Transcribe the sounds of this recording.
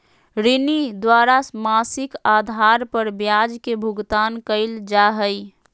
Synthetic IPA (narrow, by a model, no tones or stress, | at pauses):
ɾɪnid̪waːɾamasɪkad̪ʱaɾpəɾbjad͡ʒkebʱʊɡt̪aːnkəɪld͡ʒaɦəɪ